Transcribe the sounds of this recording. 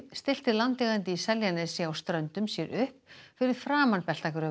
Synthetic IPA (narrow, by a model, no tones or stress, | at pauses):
st̪ɪl̥t̪ɪlant̪lɛɣant̪ɪisɛljanɛsɛawst̪ɾœnt̪ʏmsjɛɾʔʏhpfɪɾɪð̥fɾaːmanpɛl̥t̪akʏɾa